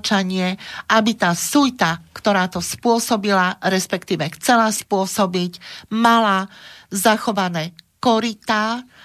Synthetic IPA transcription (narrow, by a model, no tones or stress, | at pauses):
t͡ʃaɲɪɛʔabit̪aːsujt̪akt̪ɔɾaːt̪ɔspʊɔsɔbilaɾɛspɛkt̪iːʋɛxt͡sɛlaspʊɔsɔbicmalazaxɔʋanɛːkɔɾit̪aː